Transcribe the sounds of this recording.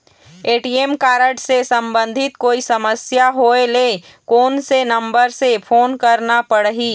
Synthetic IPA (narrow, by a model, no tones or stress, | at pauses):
eːʈiːemkaːɾəʈsesə̃mbə̃nd̪ʱɪt̪̚koːisɐməsjaɦoːele | koːnsenɐ̃mbəɾsepʰoːnkɐɾnapəɽɦiː